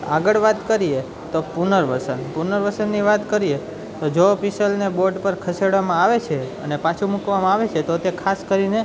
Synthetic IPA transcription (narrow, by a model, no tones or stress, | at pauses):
a̰ɡəɭʋat̪kəɾije | t̪opunəɾʋəsənpunəɾʋəsənːiʋat̪kəɾie | t̪od͡ʒoːpisəlneboɾɖpəɾkʰəseɽʋamãaʋet͡ʃʰeə̰nepat͡ʃʰumukʋamãaʋet͡ʃʰet̪ot̪ekʰaskəɾine